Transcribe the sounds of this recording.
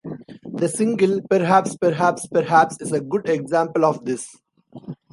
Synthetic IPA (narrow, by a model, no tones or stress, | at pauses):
d̪əsɪ̃ŋɡəlpəɾɦæpspəɾɦæpspəɾɦæpsɪzəɡʊɖeɡzãːmpəlɔːʋd̪ɪs